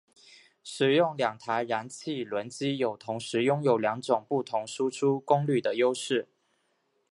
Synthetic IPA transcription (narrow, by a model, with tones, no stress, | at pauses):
ʂɻ̩˨˩jʊ˥˩ŋljɑ˨˩ŋt̪ʰa˧˥ɪɻa˧˥nt͡ɕʰi˥˩˨lwə˧˥nt͡ɕi˥jo˨˩ʊt̪ʰʊ˧˥ŋʂɻ̩˨˧˥jʊ˥ŋjo˨˩ʊljɑ˧˥ŋʈ͡ʂʊ˨˩ŋpu˥˩t̪ʰʊ˧˥ŋʂu˥ʈ͡ʂʰu˥kʊ˥ŋly˥˩d̪ə˩jo˥ʊʂɻ̩˥˩